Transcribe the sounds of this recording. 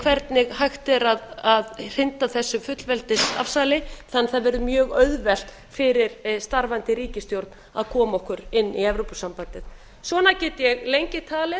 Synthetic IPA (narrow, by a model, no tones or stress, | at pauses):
kʰvɛɾt̪nɪɣhajxt̪ɛɾaðaðr̥ɪnt̪aθɛsːʏfʏt̪lvɛlt̪ɪsa̰fsalɪθanːθaðvɛɾðʏmjœːɣœðvɛl̥t̪ | fɪɾɪɾst̪aɾvant̪ɪɾiːcɪst̪jowɾt̪n | a̰ðkʰɔːmaɔhkʏɾɪnːiɛvɾowpʏsampant̪ɪð | svɔːnacɛːt̪ɪjɛɣlejɲcɪt̪ʰaːlɪ